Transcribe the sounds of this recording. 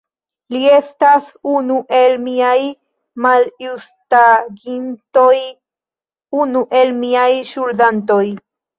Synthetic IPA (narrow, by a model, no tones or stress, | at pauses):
lie̞stasunuʔe̞lmiaj | maljustaɡintoj | unuʔe̞lmiajʃuldant̬o̞j